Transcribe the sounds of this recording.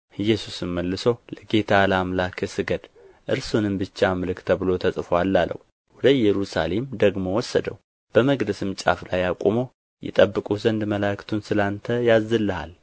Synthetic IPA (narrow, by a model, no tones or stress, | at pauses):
ɨjːɛsusɨmməlːɨsowləɡe̞t̪ʰalamlakʰɨsɨɡəd̪ | ʔɨɾsunɨmbɨt͡ʃːamɨlɨkt̪ʰəβɨlo̞t̪ʰəsʼɨfoalːalːə̰wu | wɔd̪əjɛɾusa̰le̞md̪əɡmo̞wɔsːə̰d̪əw | b̥əməɡd̪əsɨmt͡ʃʼa̰flajakʼomo̞ | jɛ̰t̪ʼəbːɨkʼuzənd̪məlakt̪ʰunsɨlant̪ʰəjazːɨlːɨha̰l